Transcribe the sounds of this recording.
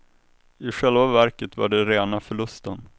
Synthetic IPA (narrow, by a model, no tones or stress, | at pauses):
ɪɧɛlvavæɾkət̪va̰ɖɛɾeːnafœɭɵst̪ən